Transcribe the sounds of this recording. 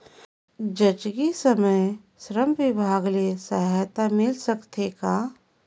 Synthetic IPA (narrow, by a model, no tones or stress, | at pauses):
d͡ʒət͡ʃɡisəməj | sɾəmʋɪbʱaːɡlesəɦt̪amɪlsəkt̪ʰeka